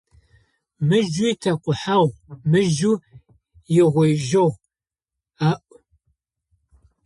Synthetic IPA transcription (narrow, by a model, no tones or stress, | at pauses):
mɨʒujtʰɐqʷʊħawmɨʒu | jɪʁʷejʒɐw | aʔʷʊ